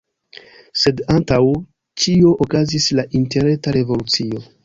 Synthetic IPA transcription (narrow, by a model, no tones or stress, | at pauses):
se̞dantaw | t͡ʃio̞ʔokazislaʔinte̞ɾetaɾe̞vo̞lut͡sio̞